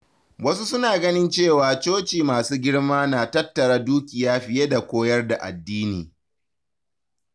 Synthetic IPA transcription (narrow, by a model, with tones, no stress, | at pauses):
wɐ˦su˦sʊ˦naː˨ɡɐ˦nɪ˦nt͡ʃeː˦˨waː˨t͡ʃoː˦t͡ʃiː˨maː˨suː˦ɡʲɪ˦ɽmaː˦naː˨tɐ˦tːɐ˨ɽa˦duː˦kʲɪ˨jaː˦ɸɪ˨je˦da˨kʷoː˦jɐ˦rda˨ʔa̰˨dːiː˦nḭː˨